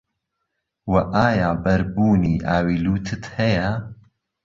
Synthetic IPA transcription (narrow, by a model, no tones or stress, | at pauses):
wɐʔaːjaːbɐɾbuːniːʔaːwiːluːt̪ʰɨt̪hɐjɐ